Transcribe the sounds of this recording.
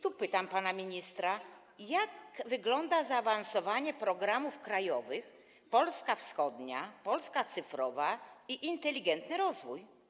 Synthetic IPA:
t̪upɘt̪ampanamʲiɲist̪ɾa | jakvɘɡlɔnd̪azaːvansɔvaɲɛpɾɔɡɾamufkɾajɔvɘx | pɔlskafsxɔd̪ɲapɔlskat̪sɘfɾɔvaiʔint̪ɛlʲiɡɛnt̪nɘɾɔzvuj

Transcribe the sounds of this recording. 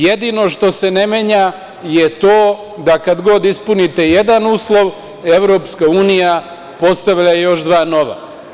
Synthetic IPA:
jed̪ino̞ʃt̪o̞se̞ne̞meɲa | jet̪oː | d̪akad̪ɡo̞d̪ispunit̪e̞je̞d̪anuːslˠo̞ʋ | eʋɾoːpskauːnija | po̞st̪aʋʎajejo̞ʃd̪ʋaːno̞ʋa̰

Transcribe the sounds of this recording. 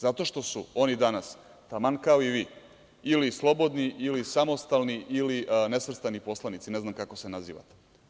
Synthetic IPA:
zat̪o̞ʃt̪o̞suo̞nid̪anas | t̪amankaoiʋiː | ilislˠo̞bo̞d̪niʔilisamo̞st̪alˠniʔilinesʋr̩st̪anipo̞slˠanit̪sineznamkako̞senazḭːʋa̰t̪e̥

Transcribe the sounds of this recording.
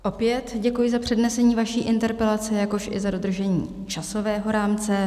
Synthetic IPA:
ʔo̞pjɛt̪ɟɛkujɪzapr̝̥ɛdnɛsɛɲiːvaʃiːʔɪnt̪ɛɾpɛlat͡sɪjako̞ʃʔɪ̰zado̞d̪r̩ʒɛɲḭː | t͡ʃaso̞vɛːɦo̞ɾaːmt͡sɛ

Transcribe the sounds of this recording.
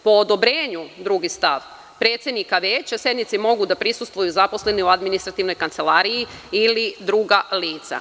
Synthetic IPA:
po̞ːd̪o̞bɾeːɲud̪ɾuɡist̪aʋ | pɾe̞ːt̪sʲjed̪nikaʋeːt͡ɕasje̞d̪nit̪simo̞ɡud̪apɾisust̪ʋujuzapo̞sle̞niuad̪minist̪ɾat̪iʋno̞jkant̪se̞laɾijiilid̪ɾuːɡaliːt̪sa̰

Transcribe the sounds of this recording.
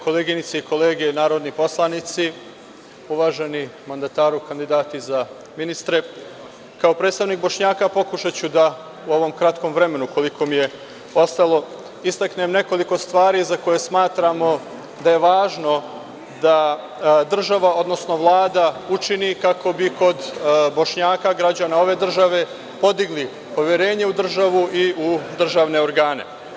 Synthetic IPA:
ko̞leɡinit̪seiko̞leːɡeenaːɾod̪nipo̞slˠanit̪si | uʋaːʒe̞nimand̪at̪aːɾukand̪id̪aːt̪iza | minist̪ɾe̞ | kao̞pɾed̪t̪st̪aʋniːk̚bo̞ʃɲaːkapo̞kuʃat͡ɕud̪a | uo̞ʋo̞mkɾat̪ko̞mʋɾe̞me̞nuko̞likʰo̞mije̞ | o̞st̪alo̞ | ist̪akne̞mne̞ko̞liko̞st̪ʋaːɾiːzako̞jesmaːt̪ɾamo̞ | d̪aje̞ʋaːʒno̞ | d̪a | d̪r̩ʒaʋao̞d̪no̞sno̞ʋlˠaːd̪aut͡ʃinikako̞biko̞d̪bo̞ʃɲaːkaɡɾad͡ʑanao̞ʋe̞ːd̪r̩ʒaʋe̞ | po̞d̪iɡli | po̞ʋje̞ɾe̞ːɲe̞ud̪r̩ʒaʋuʔiud̪r̩ʒaːʋne̞o̞ɾɡaːne̞̰

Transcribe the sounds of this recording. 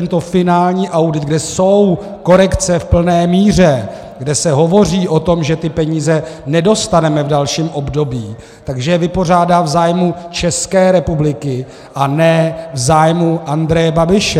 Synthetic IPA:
ɛnt̪o̞fɪnaːlɲiːʔawdɪd̪̚ɡdɛsow | ko̞ɾɛkt͡sɛfpl̩nɛːmiːr̝ɛ | ɡdɛsɛɦo̞vo̞r̝iːʔo̞t̪o̞mʒɛt̪ɪpɛɲiːzɛnɛdo̞st̪anɛmɛvdalʃiːmʔo̞bdo̞biː | t̪aɡʒɛjɛvɪpo̞r̝aːdaːvzaːjmut͡ʃɛskɛːɾɛpublɪkɪ | ʔanɛvzaːjmuʔand̪ɾɛjɛbabɪʃɛ

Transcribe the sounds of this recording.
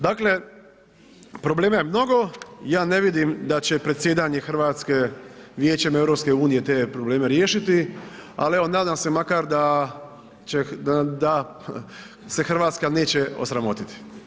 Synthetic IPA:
d̪akle̞ | pɾo̞ble̞ːmajemno̞ɡo̞jaːne̞ʋid̪imd̪at͡ɕe̞pɾet̪sjeːd̪aɲe̞xr̩ʋaːt̪ske̞ʋjeːt͡ɕeme̞ʋɾopske̞uːnije̞t̪eːpɾo̞ble̞ːme̞ɾjeːʃit̪ia̰lie̞ʋo̞naːd̪amse̞makaɾd̪a | t͡ʃed̪a | se̞xr̩ʋaːt̪skane̞ːt͡ɕe̞o̞̰sɾamo̞t̪it̪i̥

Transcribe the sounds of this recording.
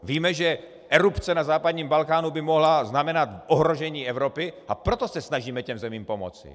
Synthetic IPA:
viːmɛʒɛ | ʔɛɾupt͡sɛnazaːpad̪ɲiːmbalkaːnubɪmoɦlaznamɛnat̪ʔoɦɾoʒɛɲiːɛvɾo̞pɪʔapɾot̪o̞sɛsnaʒiːmɛcɛmzɛmiːmpomo̰t͡sɪ̰

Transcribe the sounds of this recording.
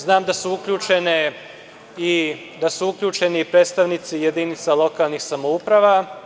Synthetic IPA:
znaːmd̪asuukʎʲut͡ʃe̞ne | i | d̪asuukʎʲuːt͡ʃe̞niːpɾe̞ːd̪st̪aʋnit̪sije̞d̪iːnit̪salˠo̞kalˠnixsamoupɾaʋa

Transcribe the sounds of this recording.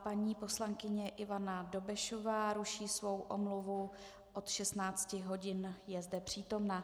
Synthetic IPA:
paɲiːpo̞slaŋkɪɲɛʔɪvanado̞bɛʃo̞vaːɾuʃiːsvo̞wʔo̰mluvu | ʔo̞t̪ʃɛst̪naːt͡scɪɦo̞ɟɪnjɛzdɛpr̝̥iːt̪o̞mna

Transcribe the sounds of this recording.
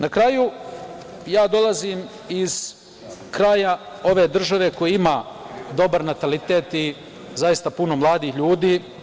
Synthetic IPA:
nakɾaju | jaːd̪o̞lˠaziːm | iz̥ | kɾaːja | o̞ʋe̞ːd̪r̩ʒaʋe̞ko̞jiimaː | d̪o̞baɾnat̪alit̪eːt̪i | zajist̪apuno̞mlˠaːd̪iːçʎuːd̪iː

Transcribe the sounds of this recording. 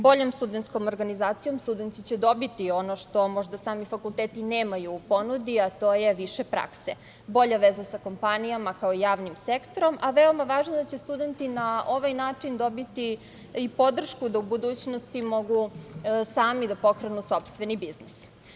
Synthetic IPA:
bo̞ʎo̞mst̪ud̪ent̪sko̞moɾɡanizaːt̪sijo̞mst̪ud̪ent̪t̪it͡ɕed̪o̞bit̪io̞noʃt̪o̞mo̞ʒd̪asaːmifakulˠt̪eːt̪ineːmajuːpo̞nud̪iat̪o̞ːjeʋiʃepɾa̰kse | bo̞ʎaʋezasako̞mpanijamakaoijaːʋnimsekt̪o̞ɾo̞mʔaʋeo̞maʋaːʒnod̪at͡ɕest̪ud̪e̞nt̪inaʔo̞ʋajnaːt͡ʂind̪o̞bit̪i | ipo̞d̪r̩ʃkud̪aubud̪uːt͡ɕnost̪imo̞ɡusaːmid̪apo̞kɾenuso̞pst̪ʋe̞nibiznis

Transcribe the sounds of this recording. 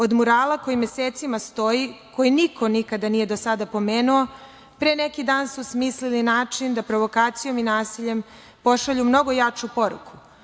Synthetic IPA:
o̞d̪muɾaːlako̞jimjeseːt̪simast̪o̞jikʰo̞jinikʰo̞nikad̪anije̞d̪o̞sad̪apo̞meːnuo̞ | pɾeːnekid̪aːnsusmiːslilinaːt͡ʂind̪apɾo̞ʋo̞kaːt̪sijo̞minaːsiʎe̞m | po̞ʃaʎumno̞ɡo̞jat͡ʂupo̞ɾṵkʰu̥

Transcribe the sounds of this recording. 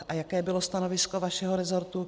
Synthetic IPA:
ʔajakɛːbɪlost̪anovɪskovaʃɛɦoɾɛzo̞ɾt̪u

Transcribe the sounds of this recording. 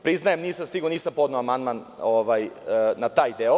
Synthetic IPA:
pɾiznajemniːsamst̪iɡoniːsampod̪noamand̪manoʋajnat̪aːjd̪eo

